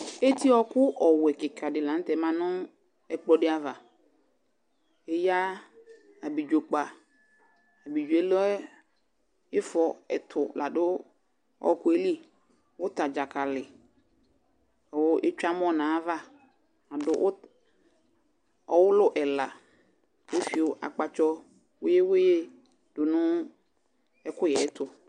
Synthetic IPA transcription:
e˦ti˦ɔ˦kʊ˦ʔɔ˨wɛ˨kɪ˨kʰa˨dɪ˨lã˨n˦tɛ˨mã˨nʊ̃˦ | ɛ˨k͡pɔ˦dɪ˦a˨va˨ | e˦ja˦ | a˨bi˨d͡ʒᶣo˨k͡pa˨ | a˨bi˨d͡ʒu˨ɛ˨lɛ˦ | ɪ˦fɔ˨ɛ̰˨tʰʊ˨la˨dʊ˦ | ɔ̰˦kʊ˦e˦li˦ | wʊ˦ta˨d͡ʒa˨kʰa˨lɪ˨ | wʊ˦ʔe˦t͡ʃᶣa˦m˦ɔ̃˦˨nãː˨˦va˦ | a˨dʊ˦ʔʊ˦ | ɔ˨wʊ˦lʊ˦ʔɛ˨la˨ | e˦fi˨o˨ʔa̰˨k͡pa˨t͡ʃɔ˦ | wʊ˦je˦wʊ˦je˦ | dʊ˨nʊ̃˦ | ɛ˦kʊ˦jɛ˨˦tʰʊ˨

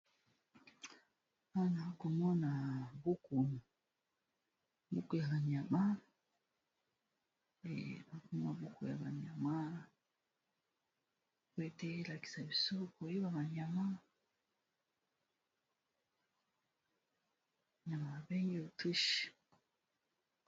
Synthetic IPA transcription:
a˦˨na˨˦ko˨mɔ˦na˨bu˦ku˨nu˨ | bu˦ku˨ja˨βa˨ɲa˨ma˦ | ḛ˨na˨˦ku˦mɔ˦na˨βu˦ku˨ja˨βa˨ɲa˨ma˦ | kwe˦te˦la˨ki̥˨sa˨bi˨so˦ko˨i˦βa˨βa˨ɲa˨ma˦˨ | ɲa˨ma˨a˨bɛ˦ŋɡe˦o˨tu˦ʃi̥˨

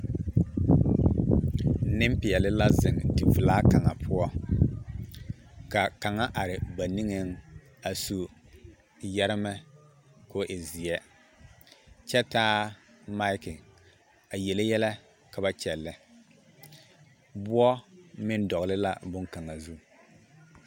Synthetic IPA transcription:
nɪ˦m˦pɪ˨ɛ˨lɪ˦la˦zɪ˨ŋdi˨vɪ˨laː˦ka˨ŋa˨pʰʊ˦ɔ˦ | ka˨ka˨ŋa˦ʔa˨ɾɪ˨ba˨ni˦ŋɛ˨ŋ | a˨su˨ | jɛ˦ɾɪ˦mɛ˦ | ko˦ʔɪ˨zɪ˨jɛ˦ | t͡ʃɛ˦taː˦ | ma˦ɪ˦kɪ˨ | a˨jɛ˨lɪ˦jɛ˦lɛ˦ | ka˨ba˦t͡ʃɛ˨lːɛ˦ | bʊ˦ɔ˦mɪ˦ndɔ˨ɣlɪ˦la˦bʊ˦ŋka˨ŋa˨zu˦

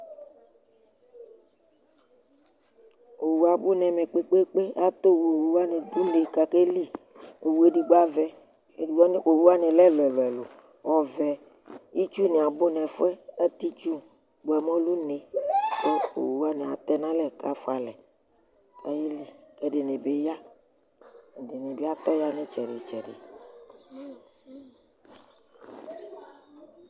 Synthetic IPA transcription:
o˨wu˨a˨bu˦nɛ̃˨mẽ˨k͡pe˦k͡pe˦k͡pe˦a˦t̪o˦wu˨˦a˦nẽ˨d̪u˦ne˨ka˨ke˦li˦ | o˨wu˨˦e˦ɖi˨ɡ͡ba˦vɛ˦ | e˨di˨ɔ˦n˨o˨wu˦a˦nẽ˨lɛ˦lɛ˨lɛ˨lo˨ | ɔ˨vɛ˨ | i˦t͡ʃu˦ne˨a˨bo˦nɛ̃˨fɛ˦e˦t̪i˦t͡ʃu˦ | ɡ͡bo˨ɛ˨mɔ̃˦lu˦nẽ˨ke˦o̰˨wu˦a˦nɛ̃˨a˨t̪ɛ˦nã˦lɛ˨ka˦fo˦a˨lɛ˨ | e˦ji˦li˨e˦ɖe˨nẽ˨be˦ja˦˨ | de˨nẽ˨be˦a˦t̪ɔ˦ja˦nɛ̃˦t͡ʃɛ˨ɖe˨t͡ʃɛ˨ɖḛ˨

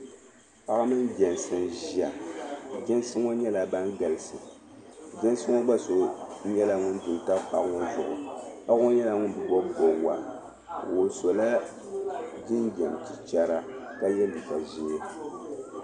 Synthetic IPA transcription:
pa˦ɣa˦mɨ˦nɡɛ˨n˨sɨ˨nʒi˦a˨d͡ʒɛ˦nsɨ˦ŋo˦ɲɛ˦la˨ba˦nɡa˨lɨ˨sɨ˨ | d͡ʒɛ˦n˦sɨ˦ŋo˦ɡ͡ba˦so˨ɲɛ˦la˨ŋʊ˦ndʊ˨nta˦pa˨ʔŋo˦zʊ̰˨ʔʊ̰˨pa˦o˦ɲɛ˦la˨ŋʊ˦n˨bɨ˨bɔ˦˨bo˨˦wa̰˨ | wo˨so˨la˦ | di˦nɡɛ˨mti˦t͡ʃa˦ɾa˦ka˦jɛ˦li˨ka˨ʒi˦ɛ˦

